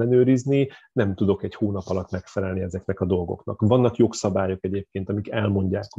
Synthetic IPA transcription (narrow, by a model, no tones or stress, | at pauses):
ɛnøːɾizninɛmt̪ud̪o̞kɛchoːnɒpɒlɒt̪ːmɛkfɛlɛlniɛzɛknɛkɒd̪o̞lɡo̞̰knɒ̰kvɒnːɒkjo̞ksɒbaːjo̞kɛɟeːp̚keːnt̪ɒmikɛlmo̞ɲɟaːk